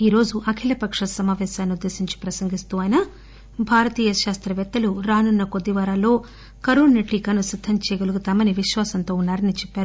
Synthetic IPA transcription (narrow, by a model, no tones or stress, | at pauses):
iːɾo̞ːd͡ʒuʔɐkʰilɐpɐkʂɐsɐmaːʋɛːsaːnːud̪ːe̞ːsiɲt͡ʃi̥pɾɐsɐŋɡist̪uːɐjnɐ | bʱaːɾɐt̪iːjɐʃaːst̪ɾɐʋɛt̪ːɐluɾaːnunːɐko̞d̪ːiʋaːɾaːlo̞ː | kɐɾuːɳːɐʈːiːkɐnusid̪ʱːɐɲt͡ʃeːɡoluɡut̪aːmɐniʋiʃʋaːsɐnt̪o̞ːunːaːɾɐnit͡ʃɛpːaːɾu